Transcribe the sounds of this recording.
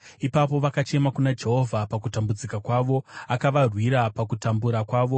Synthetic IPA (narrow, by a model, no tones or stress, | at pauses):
ipapo̞ʋakat͡ʃe̞makunad͡ʒe̞ɦo̞vʱapakutambud͡zikakwaʋo̞akaʋarwiɾapakutambuɾakwaːʋo̞